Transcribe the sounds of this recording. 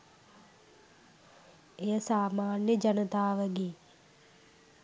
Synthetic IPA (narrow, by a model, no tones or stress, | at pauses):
ejəsaːmaːnjəd͡ʒɐnət̪aːʋəɡeː